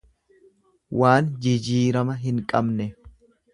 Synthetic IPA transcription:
waːnd͡ʒɪd͡ʒiːɾɐmɐɦɪŋkʼɐbnɛ

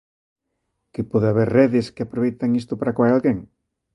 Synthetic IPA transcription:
kɪpɔðaβeɾreðɪskɪapɾoβejt̪aŋist̪ʊpaɾakwajalɡeŋ

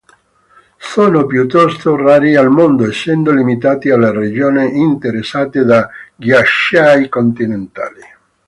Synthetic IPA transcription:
soːnopjut̪ːɔst̪oraːɾialmond̪oesːɛnd̪olimit̪aːt̪ialːared͡ʒoːneʔint̪eɾesːaːt̪ed̪aɡjaʃajkont̪inent̪a̰ːli

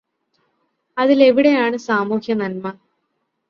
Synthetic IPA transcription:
ɐðile̞ʋiɽe̞jaːɳɨsaːmuːhjɐnɐlmɐ

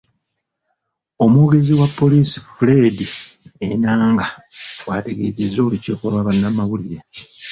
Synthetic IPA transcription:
o̞mwoːɡe̞ziwapːo̞liːsi̥fule̞dienaːŋɡawate̞ɡe̞̰ːzezːo̞ːliceːkolwaβanːamːaβuliɾe

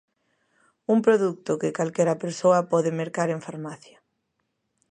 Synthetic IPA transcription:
umpɾoðuk̚t̪ʊkɪkalkɛɾɐpeɾsoɐpɔðemeɾkaɾeɱfaɾmaθja

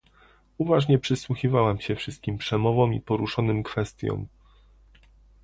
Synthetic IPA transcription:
uvaʐɲɛpʂɘswuxʲivawamɕɛfʂɘst̪̚kʲimpʂɛmɔvɔ̃mḭpɔɾuʂɔnɘmkfɛst̪ʲjɔ̰m

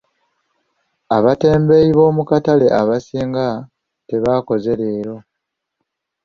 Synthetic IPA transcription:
aβate̞ːmbe̞ːiβo̞ːmukatale̞ʔaβasiːŋɡa | te̞βaːko̞ze̞ɾe̞ːɾo̞

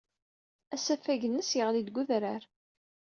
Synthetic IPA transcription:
æsæfæʝənːəsjəʁlid̪ɡʷʊðɾəɾ

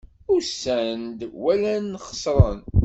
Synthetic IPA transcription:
ʊɾsænd̪wælænːχə̥sˤɾˤən

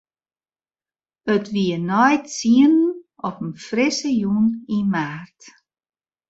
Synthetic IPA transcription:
ətʰʋiənɔjtsiənn | ɔpənfrɪsəjunimaːrt

